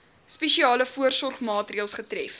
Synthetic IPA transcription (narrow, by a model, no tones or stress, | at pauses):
spɛʃiɑːləfuərsɔrχmɑːtriəlˠsχətrɛf